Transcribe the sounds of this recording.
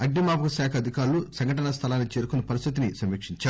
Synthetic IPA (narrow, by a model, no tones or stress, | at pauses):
ɐɡnimaːpɐkɐsaːkʰɐd̪ʱikaːɾulusɐŋɡʱɐʈɐnɐst̪ʰɐlaːnːit͡ʃeːɾukunːɐpɐɾist̪ʰit̪̬inisɐmikʂiɲt͡ʃaː